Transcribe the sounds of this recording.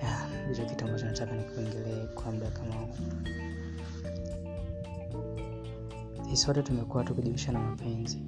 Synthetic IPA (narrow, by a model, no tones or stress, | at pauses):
ja | wit͡ʃɔki̥taŋɡɔt͡ʃanat͡ʃakanikuɛŋɡɛlɛːkwam̩ɗakamauu | hisɔtɛtumɛkuwatukuʄiwiʃanamapʰɛnzi